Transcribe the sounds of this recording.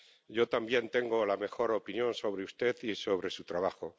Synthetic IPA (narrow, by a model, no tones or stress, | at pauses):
ɟ͡ʝo̞t̪ambje̞nt̪e̞ŋɡo̞lame̞xo̞ɾo̞pinjo̞nso̞β̞ɾeust̪e̞θiso̞β̞ɾe̞sut̪ɾaβ̞axo̞